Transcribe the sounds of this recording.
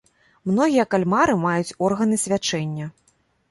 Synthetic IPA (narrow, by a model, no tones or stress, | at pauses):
mn̪ɔɣʲijɐkalʲmaɾɨmajut͡sʲɔrɣɐnɨsʲvʲat͡ʂɛnʲːɐ